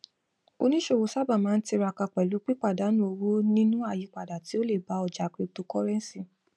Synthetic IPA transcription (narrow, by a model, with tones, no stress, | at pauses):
o̰˧nĩ˦ʃo˦˨wo˧sa˦˨ba˦˨mãː˨˦n̩˦ti˧ɾa˧ka˧k͡pɛ˨lu˨˦k͡pi˦k͡pa˦˨da˨˦nũ˦o˧wu˦nĩ˦nũ˦a˦˨ji˧˦k͡pa˨da˨ti˨˦o˦le˦˨ba˨˦ɔ˨d͡ʒa˨˦kɾi˧to˧kɔ˦ɾɛ˦n˦sĩ˧